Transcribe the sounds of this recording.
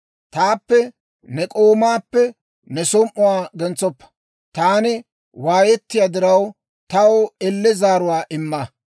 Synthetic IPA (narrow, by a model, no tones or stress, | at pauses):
t̪aːpːɛ | nɛkʼoːmaːpːɛ | nɛsɔmʔʊwaːɡɛnt͡sɔpːɐ̥ | t̪aːnɪ | waːjɛt̪ːɪjaːd̪ɪɾɐw | t̪ɐwɛlːɛzaːɾʊwaːʔɪmːɐ